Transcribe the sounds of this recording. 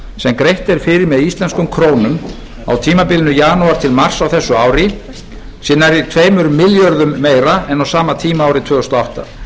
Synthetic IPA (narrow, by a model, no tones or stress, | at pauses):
sɛmkɾejht̪ɛɾ̥fɪːɾɪɾmɛðist̪lɛnskʏmkʰɾoːwnʏm | a̰wt̪ʰiːmapɪlɪnʏjaːnuaɾt̪ʰɪlmar̥sawθɛsːʏaːwɾɪ | sɪnːaɾit̪ʰveːjmʏɾʏmːɪljœɾðʏmːeːjɾaɛnawsaːmat̪ʰiːmaːwɾɪt̪ʰv̥ɛːɣʏst̪ɔawht̪a̰